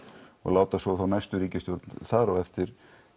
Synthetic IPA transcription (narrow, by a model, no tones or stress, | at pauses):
ɔ̰ɣlaːwt̪asɔθawnajst̪ʏɾiːcɪst̪jowɾt̪nθaːɾawɛft̪ɪɾ